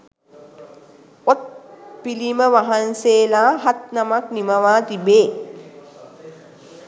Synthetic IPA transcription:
ot̪̚piliməʋaɦanseːlaɦat̪̚namaknimaʋaːt̪ibeː

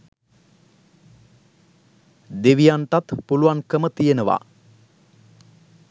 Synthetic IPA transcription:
d̪eʋijant̪at̪puluʋaŋkəmət̪ijenəʋa̰

